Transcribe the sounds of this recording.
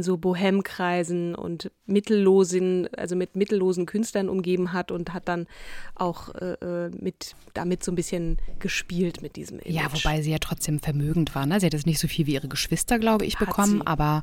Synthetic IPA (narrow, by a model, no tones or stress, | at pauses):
nzoːboɦɛmkʁ̥aɪzn̩ʊ̰ntmɪtl̩ːoːzənʔa̰lzomɪtmɪtl̩ːoːzn̩kʰʏnstlɐnʔʊ̰mɡeːbm̩ɦatʊnthat̚d̥anʔa̰ʊxʔɛ̰ːʔɛːmɪt | d̥a̰mɪtz̥oːnbɪsçənɡ̥əʃpiːltmɪt̚d̥ḭːzəmʔɪ̰jaːvobaɪziːjaːtʁ̥ɔt͡sd̥eːmfɛɐmøːɡŋ̩tv̥aːɐnəzihatɛsnɪçtz̥oːfiːlviːʔiːʁ̞əɡəʃv̥ɪstɐɡlaʊbəʔɪ̰çhbəkʰɔmənʔʔa̰ːbɐ